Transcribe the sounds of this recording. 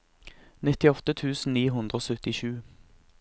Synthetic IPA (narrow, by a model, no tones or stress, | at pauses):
nɪt̪ɪɔt̪ət̪ʰʉːsn̩niːɦʉnd̪ʁəoːsœt̪ɪʃʉː